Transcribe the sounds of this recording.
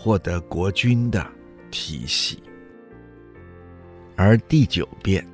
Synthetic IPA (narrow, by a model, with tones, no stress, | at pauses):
xwɔ˥˩t̪ɤ˧˥kwɔ˧˥t͡ɕy˥nd̪ə̰˨ | t̪ʰḭ˧˥ɕḭ˨˩˦ | ə˞˧˥t̪i˥˩t͡ɕjo˨˩ʊpjɛ˥n